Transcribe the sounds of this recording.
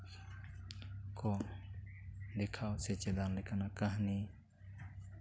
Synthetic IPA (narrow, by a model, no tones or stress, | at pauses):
kɔ | d̪ɛkʰawsɛt͡ʃɛd̪anlɛkanaʔkaɦni